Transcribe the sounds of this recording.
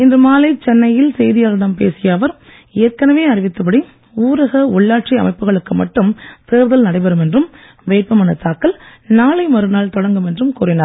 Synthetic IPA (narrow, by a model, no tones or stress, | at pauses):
ɪndrɯmaːlɐɪt͡ʃːɛnːɐjɪlsɛjðɪjaːɾɯɽɐmpḛːsɪjaːʋɐɾ | ɪjɐɾkɐnɐʋeːɐrɪʋɪt̪ːɯpɐɽi | uːɾɐɣɐʊɭːaːʈ̚t͡ʃɪɐ̰mɐɪpːɯɣɐɭɯkːɯmɐʈːɯmt̪eːɾðɐlnɐɽɐɪpɐɾɯmɛndrɯm | ʋeːkːɐmaːnɐt̪ːaːkːɐlnaːlɐɪmɐɾɯnaːɭt̪ɔɽɐŋɡɯmɛndrɯmkuːɾɪnaːɾ